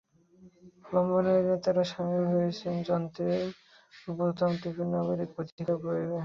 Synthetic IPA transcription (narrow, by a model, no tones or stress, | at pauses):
lɔmboneɾnet̪aɾaʃamilɦojet͡ɕʰend͡ʑɔnt̪e | bot̪amt̪ifʰiɾnaɡoɾikpot̪iikʰaboebe